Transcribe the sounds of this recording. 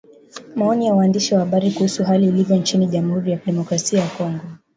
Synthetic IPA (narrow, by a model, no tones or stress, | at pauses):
maɔnijawaːndiʃiwahaɓaɾikuhusuɦaliːlivjɔnt͡ʃiniʄamuhuɾijakiɗɛmɔkɾasiajakɔŋɡɔ